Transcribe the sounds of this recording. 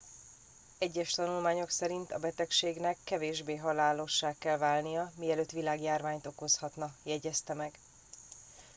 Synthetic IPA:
ɛɟːɛʃt̪ɒnulmaːɲo̞ksɛɾint̪ɒbɛt̪ɛkʃeːɡnɛkːɛveːʒbeːɦɒlaːlo̞ʃːaːkːɛlvaːlnijɒmiɛløːt̪ːʋilaːɡjaːrvaːɲt̪o̞ko̞shɒt̪nɒjɛɟɛst̪ɛmɛɡ

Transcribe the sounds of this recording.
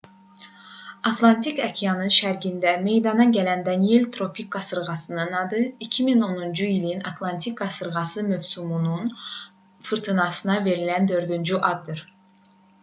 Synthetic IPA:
ɑt̪ʰlˠɑnt̪ʰikɑcʰijɑnɯnʃæɾɡind̪æme̞jd̪ɑnɑɟælænd̪ɑnijelʲt̪ʰɾo̞pʰik̚ɡɑsɯɾʁɑsɯnɯnɑd̪ɯicʰimino̞nund͡ʒuilinɑt̪ʰlˠɑnt̪ʰik̚ɡɑsɯɾʁɑsɯmøvsumunun | fɯɾt̪ʰɯnɑsɯnɑve̞ɾilænd̪ø̞ɾd̪ynd͡ʒyʔɑd̪ːɯɾ

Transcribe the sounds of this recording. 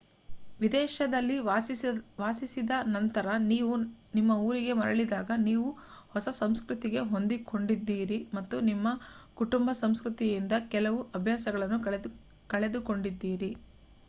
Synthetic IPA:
ʋid̪ɛːʃɐd̪ɐlːi | ʋaːsisid̪ɐnɐnt̪ɐɾɐniːʋunimːɐuːɾiɡe̞mɐɾɐɭid̪aːɡɐniːʋuhɔsɐsɐmskɾut̪iɡe̞ɦo̞nd̪iko̞ɳɖid̪ːiːɾimɐt̪ːunimːɐkuʈumbɐsɐmskɾut̪ijind̪ɐkɛlɐʋuʔɐbʱjaːsɐɡɐɭɐnːu | kɐɭe̞d̪uko̞ɳɖid̪ːiːɾi

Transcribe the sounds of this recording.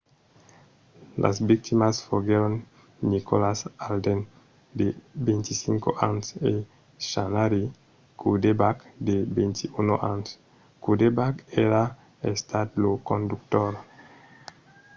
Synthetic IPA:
lʔa̰sbik̚t̪imasfoɡeɾonː | ikolasald̪en | d̪ebent̪isĩŋkoʔanse | ʃanaɾi | kʰudebakd̪ebent̪iunoʔans | kud̪ebakeɾa | est̪ʰat̪lokõnd̪uk̚t̪oɾ

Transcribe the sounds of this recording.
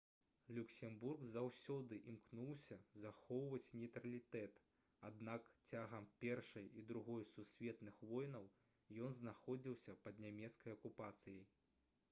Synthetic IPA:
lʲuksʲɛmburɡzawsʲɔd̪ɨʔimknuwsʲɐzaxɔwvɐt͡sʲnʲɛjt̪ɾɐlʲit̪ɛt̪ | ad̪nakt͡sʲaɣɐmpʲɛrʂɐjid̪ɾuɣɔjsusʲvʲɛt̪nɨxvɔjnɐw | jɔnznaxɔd͡zʲiwsʲɐpɐd̪nʲamʲɛt̪skɐjɐkupat̪sɨjij

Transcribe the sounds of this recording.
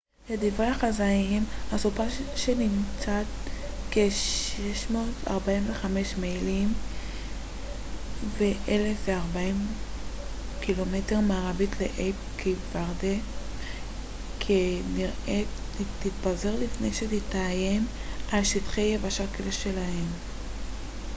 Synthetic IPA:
ledivʁeaχazaiimhasupaʃenimt͡satkeʃeʃmo̞ːta̰ʁbaimveχame̞ʃmejlim | veʔele̞fveaʁbaim | kilo̞me̞te̞ʁmaːʁabitlḛʔejpkʰivaʁde | kʰeniʁe | titbaze̞ʁlifne̞jʃetitajemalʃitχejevaʃakeleʃe̞lahe̞m

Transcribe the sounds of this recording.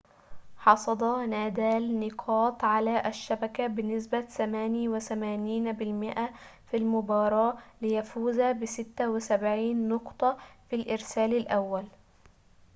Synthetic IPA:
ħɑsˤɑd̪ˤɑnaːd̪aːlnɪqʰɑːt̪ˤʕalaʔaʃːabakabɪnːɪs̬bat̪amaːnjwɪθamaːniːnbɪlmɪʔa | filmʊbɑːɾˤɑːlɪjafuːzabɪsɪt̪ːawɪsabʕiːnːʊqt̪ˤɑfilʔɪɾsaːlɪlʔawːal

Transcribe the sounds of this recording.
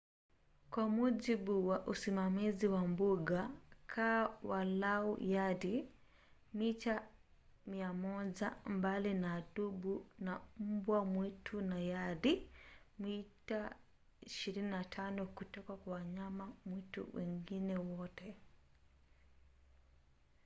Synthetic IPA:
kwamuʄibuwaʔusimamiziwambuɡakʰawalaujadi | mita | miamɔʄambalinaɗubunam̩bwamwitʰunajadi | mita | iʃiɾininatʰanɔkutɔkakwawaɲamamwitṵwɛŋɡinɛwɔtɛ

